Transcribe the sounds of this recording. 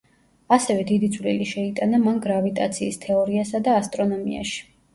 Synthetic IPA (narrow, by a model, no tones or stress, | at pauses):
asɛvɛd̪id̪id̪zʰvlḭliʃɛit̪ʼanamanɡɾavit̪ʼat̪sʰiːst̪ʰɛɔɾiasad̪aːst̪ʼɾɔnɔmḭa̰ʃi̥